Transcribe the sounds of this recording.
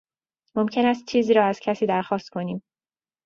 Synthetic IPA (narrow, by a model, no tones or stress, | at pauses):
mo̞mcʰe̞næst̪̚t͡ʃʰiːziːɾɒːæz̥cʰæsiːd̪æɾxɒːst̪̚kʰo̞niːm